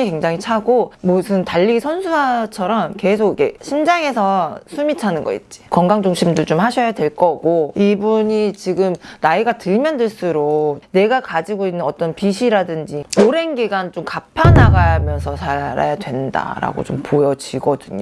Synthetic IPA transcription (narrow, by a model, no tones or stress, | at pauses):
ikweŋd͡ʑaŋit͡ɕʰaɡomosʰɯntaʎːisʰʌnsʰuat͡ɕʰʌɾʌmke̞sʰoɡiɡe̞ɕʰind͡ʑaŋe̞sʰʌsʰumitʰanɯnɡʌḭt̚t͡ɕ͈i̥kʌŋɡaŋd͡ʑoŋɕʰimdot͡ɕomhaɕʰʌjadwe̞ɭk͈ʌɡoibuɲit͡ɕiɡɯmnaiɡatɯɭmjʌndɯɭs͈uɾone̞ɡakad͡ʑiɡoinːɯnʌt͈ʌnpiɕʰiɾadɯnd͡ʑioɾe̞nɡiɡant͡ɕomkapʰanaɡamjʌnsʰʌsʰaɾa̰jadwe̞nda̰ɾa̰ɡo̰t͡ɕompʰojʌd͡ʑiɡʌdɯɲo